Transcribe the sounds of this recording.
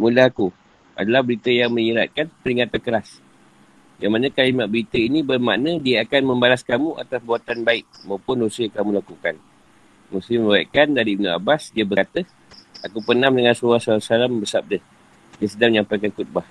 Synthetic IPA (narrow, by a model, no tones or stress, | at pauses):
mũlaɦaku | ʔa̰dalahbəɾit̪əjaŋmə̃ɲiɾa̰t̪̚kanpəɾiŋat̪ankəɾas | jaŋmanə̃kalimaʔ̪̚bəɾit̪əinĩbərmaʔnə̃diəakanməmbalaskamũʔa̰t̪asbuat̪anbaɪk̚mawpʊndosəjakamũlakukan | musiməbaaʔ̪̚kandaɾiːbnua̰basdiəbəkat̪ə | akupənamdəŋansuwasaasalambəsap̚dəh | diəsədamjaŋpəɾakakut̪̚bah